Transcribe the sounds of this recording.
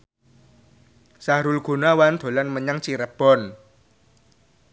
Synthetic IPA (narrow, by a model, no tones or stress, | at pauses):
sahɾulɡ̥ṳnawand̪̥o̤lanməɲaŋt͡ʃiɾəb̥ɔ̤n